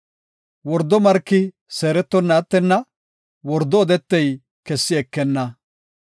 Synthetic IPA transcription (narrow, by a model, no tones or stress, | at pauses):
wɔɾd̪ɔmɐɾkːɪ | seːɾɛt̪ːɔnːɐːt̪ːɛnːɐ | wɔɾd̪ːɔːd̪ɛt̪ːɛj | kɛsːɪɛkːɛnːɐ